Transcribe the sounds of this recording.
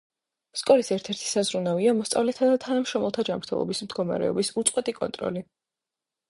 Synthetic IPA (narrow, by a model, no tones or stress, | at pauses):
skʼɔlisɛɾt̪ʰɛɾt̪ʰi̥sazɾunaviamɔst̪sʼa̰vlɛt̪ʰad̪at̪ʰanamʃɾɔmɛlˠt̪ʰad͡ʒamɾt̪ʰɛlˠɔ̰bismd̪ɡɔma̰ɾɛ̰ɔ̰bisut̪sʼqʼwɛt̪ʼikʼɔ̰nt̪ʼɾɔ̰li